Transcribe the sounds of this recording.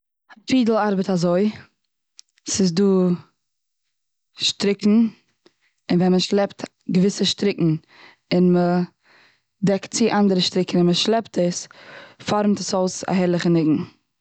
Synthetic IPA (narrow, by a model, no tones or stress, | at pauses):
afiːdl̩ˠaɾbətazoɪ | sɪsduː | ʃtɾɪkŋ̩ | ɪnvɛnməʃlˠɛpt | ɡəvɪsəʃtɾɪkŋ̩ | ɪnmə | dɛkt̚t͡sɪʔandəɾəʃtɾɪkn̩ɪnməʃlˠɛptʰəsfɔɾmtəsoʊsa̰ɦɛɾlˠɪχənɪɡŋ̩